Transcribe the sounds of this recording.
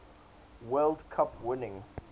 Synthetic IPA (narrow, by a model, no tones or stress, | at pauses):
wɜlˠdkʰʌpwɪnɪ̃ŋ